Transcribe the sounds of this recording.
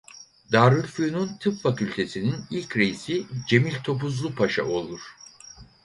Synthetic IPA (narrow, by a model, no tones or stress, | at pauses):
d̪aːɾɯɾfujununt̪ʰɯpfacylʲt̪ʰe̞sininilʲcɾe̞jisid͡ʒe̞milʲt̪ʰo̞puzlˠupʰaʃa̰o̞lˠuɾ̥